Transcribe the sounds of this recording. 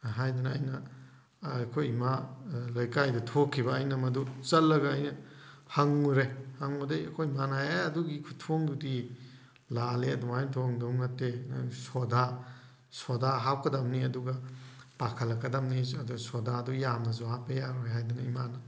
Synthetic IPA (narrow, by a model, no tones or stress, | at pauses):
ɦajdunɐːjnɐ | kʰojimalɐjkajdɐtʰokʰːibɐːjnɐmɐdut͡ʃɐlːɐɡɐːjnɐ | haŋuɾehaŋudeɐ̰kʰojmanajaɐduɡikʰutʰoŋbudi | laleɐduŋajntʰoŋduŋŋɐtːesoda | sodaɦawkɐdɐmniɐduɡɐpakʰɐlːɐkːɐdɐmniɐdusodaɐdujamnɐzuapɐjaɾojɦajdunɐimanɐ